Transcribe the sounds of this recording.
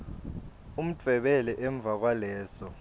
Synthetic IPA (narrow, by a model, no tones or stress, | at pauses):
um̩t͡fʰɛɓɛlɛʔɛɱb̪vʱak̬walɛːsɔ